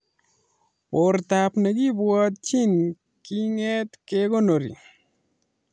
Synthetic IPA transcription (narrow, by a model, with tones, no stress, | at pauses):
poɾtapnɛ˨ɡi˦bwɔ˦t̚t͡ʃi˦n | ki˦ŋɛ˦tkeɡo˦no˨ɾḭ˨